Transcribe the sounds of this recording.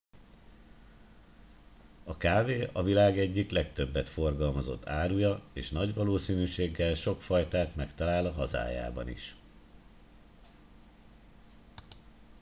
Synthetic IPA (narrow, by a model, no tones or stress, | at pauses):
ɒkaːveːɒvilaːɡɛɟːiklɛkt̪ø̞bːɛt̪fo̞rɡɒlmɒzo̞̰t̪ʰːaːɾujɒeːʃnɒɟʋɒloːsiːnyːʃeːɡːɛlʃo̞kfɒjt̪aːt̪mɛkt̪ɒlaːlɒɦɒza̰ːja̰ːbɒ̰nḭʃ